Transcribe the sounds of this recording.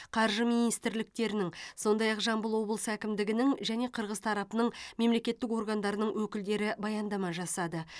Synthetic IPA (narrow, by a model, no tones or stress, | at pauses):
qʰɑɾʒəminijst̪ɪɾlɪk̚t̪e̞ɾɪnɪŋso̞nd̪ɑjɑqʒɑmbəlˠwo̞blˠəsækʲɪmd̪ɪɡʲɪnɪŋʒæne̞qʰəɾʁəzt̪ʰɑɾɑpənəɴme̞mle̞kʲe̞t̪ːɪko̞ɾɡɑnd̪ɑɾənəɴwɵkʲɪld̪e̞ɾɪbɑjɑnd̪ɑmɑʒɑsɑd̪ə